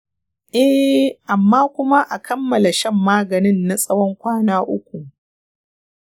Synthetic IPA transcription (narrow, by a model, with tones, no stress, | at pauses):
ʔɛ˦ʔa˨mːaː˦kʷʊ˦ma˦ʔa˨kʰɐ˦mːɐ˨la˨ʃɐ˦mːaː˦ɡɐ˨nɪ˦nːa˨sʼɐ˦wɔ˦ŋkʷaː˦naː˦ʔʊ˦kʷu˨ʔ